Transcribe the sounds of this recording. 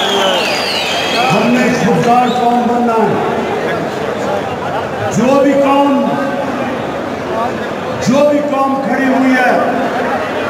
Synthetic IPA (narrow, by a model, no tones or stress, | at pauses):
ɦəmnekʰʊd̪ɡ̪aːɾkaːmbənːaː | d͡ʒoːbʱikaːm | d͡ʒoːbikaːmkʰəɽiɦuiɦɛː